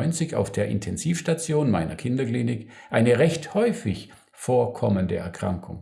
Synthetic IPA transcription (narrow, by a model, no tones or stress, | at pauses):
ʏnt͡sɪça̰ʊfd̥eːɐʔɪ̰ntʰɛnziːfʃtat͡sjoːnmaɪnɐ̰kʰɪndɐkliːnɪk | ʔaɪnəʁɛçthɔʏfɪç | foːɐkʰɔməndəɛ̰ɐkʁ̥a̰ŋkʰʊ̰ŋ